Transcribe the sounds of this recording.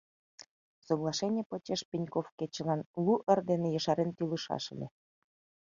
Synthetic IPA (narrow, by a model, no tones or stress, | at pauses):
soɣlˠɑʃenʲĕpot͡ɕeʃpʲinʲkofket͡ɕə̆lɑnlˠuʔərd̪enejə̆ʃɑɾent̪yləʃɑ̰ʃə̰̆lʲe